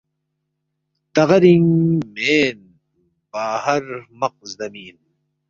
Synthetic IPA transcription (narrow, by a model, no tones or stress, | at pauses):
t̪ɐɣɐɾiŋmeːn | baːhɐɾmɐq̚zd̪ɐmiːn